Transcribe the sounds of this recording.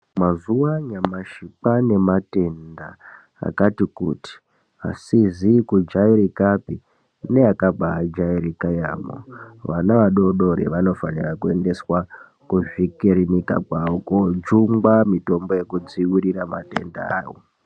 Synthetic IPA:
mazuwaɲamaʃipane̞mate̞nda̰ | a̰katikṵti̥ | a̰sizikud͡ʒaiɾikapi | ne̞akabʱaad͡ʒaiɾikaja̰ːmo̰ʋanaʋaɗo̞ɗo̞ɾḛʋano̞fa̰nirakue̞nde̞swa | kuʐikiɾinika̰kwaokod͡ʒuŋɡwamito̞mbo̞je̞kud͡ziwiɾiramate̞̰nda̰a̰ːʋo̰

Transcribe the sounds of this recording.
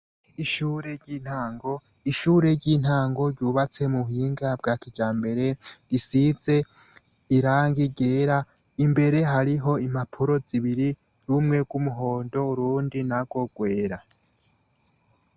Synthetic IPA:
iʃuːɾe̞ɟin̥haːŋɡo̞ | iʃuːɾe̞ɾɟiːn̥haːŋɡo̞ɾɟuːβat͡se̞muɦiːŋɡab̚ɡaːkid͡ʒaːmbe̞ɾe̞ɡisize̞ | iɾaːŋɡiɡe̞ːɾa | imbe̞ɾe̞ɦaɾiɦo̞imapʰuɾo̞z̥iβiɾi | ɾumŋe̞ɡwumuɦo̞ːndo̞uɾuːndinaɡwo̞ɡwe̞ːɾa

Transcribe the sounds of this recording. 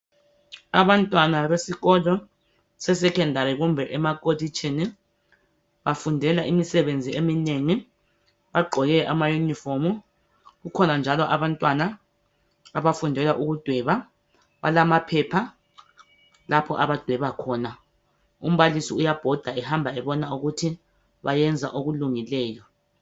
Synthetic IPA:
aβantʼwanaβesiɣɔlɔ | sɛsɛkʰɛndʱaɾiɣumbʱɛʔɛmakʼodit͡ʃʰʼini | βafundʱɛlaʔimisɛβend͡zʱiemineŋi | βaɡ͡ǃʱɔɣɛʔamajunifomu | ɣukʰɔnand͡ʒʱalɔʔaβantʼwanaː | βafundʱɛlaʔuɣud̥ʱwɛβa | βa̰lamapʰɛpʰa | lapʰɔ̰ʔaβad̥ʱwɛβakʰɔna | um̩βalisiujab̥ʱɔd̥ʱaɛhambʱaɛβɔnauɣutʰi | βajɛnd͡zʱa̰ʔoɣuluŋilɛːjɔ

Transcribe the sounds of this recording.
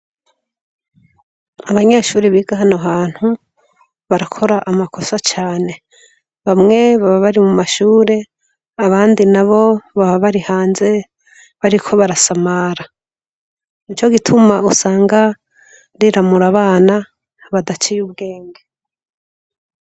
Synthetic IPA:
aβaɲaʃuːɾiβiːɡaɦanoɦaːn̥hu | βaɾakʰo̞ɾaʔamakʰo̞sat͡ʃaːne̞ | βamŋe̞βaβaβaɾimumaʃuːɾe̞ | aβaːndinaβo̞βaβaβaɾihaːnze̞ | βaɾikʰo̞βaɾasamaːɾa | nit͡ʃo̞ɡitʰumausaːŋɡa | ɾiɾamuɾaβaːna | βadat͡ʃijubɡe̞ːŋɡe

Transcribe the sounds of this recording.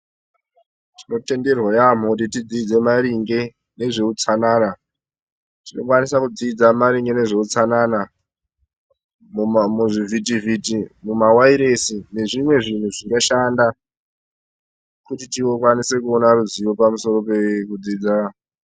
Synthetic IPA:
tino̞te̞nde̞rwajam̤okutitid͡ziːd͡ze̞maɾiŋɡe̞ | ne̞ʐe̞ut͡sanaːna | tino̞kwanisakud͡ziːd͡zamaɾiŋɡe̞ne̞ʐe̞ut͡sanana | muʐivitivitimumawaiɾe̞sine̞ʐimwe̞ʐin̤uʐikaʃanda | kutitiwo̞kwanise̞kuonaɾuziwo̞pamuso̞ɾo̞pe̞kud͡ziːd͡za

